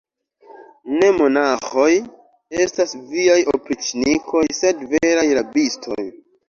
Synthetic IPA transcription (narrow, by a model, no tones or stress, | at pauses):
ne̞mo̞naxo̞j | e̞stasviajopɾit͡ʃnikʰo̞jse̞dveɾajɾabistʰo̞̰j